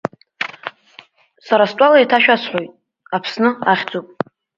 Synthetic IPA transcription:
saɾastʼalajtʰaʃᶣasħʷojtʼ | apʰsnɨaχʲd͡zopʼ

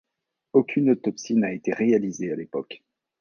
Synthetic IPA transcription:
okʲynot̪ɔpsinaet̪eʁealizealepɔk

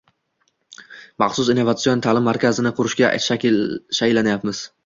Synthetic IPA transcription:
mɑχsʊsɪnːovat̪sijont̪ʰaːlɪmːaɾkʲʰazɪnɪqʰʊɾɪʃkʲaʃakʲɪlʃaklːanajapmɪz̥

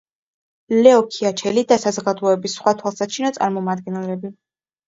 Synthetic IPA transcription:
lɛɔkʰiat͡ʃʰɛlid̪asazɡad̪lˠɔɛbisχwat̪ʰwalˠsat͡ʃʰinɔt̪sʼa̰ɾmɔmad̪̚ɡɛnɛlɛbi

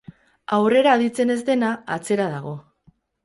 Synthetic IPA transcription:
awre̞ɾaðit͡se̞ne̞zd̪e̞naːt͡se̞ɾað̞aɣ̞o̞

